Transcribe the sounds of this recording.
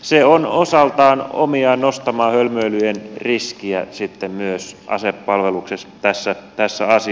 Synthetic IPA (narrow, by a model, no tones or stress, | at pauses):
seonosɑlt̪ɑːno̰miɑːnnost̪ɑmɑːhølmøilyenriskiæ̰sit̪ːemmyøsʔɑ̰sepːɑlʋeluksest̪æsːæt̪æsːæ̰ɑsi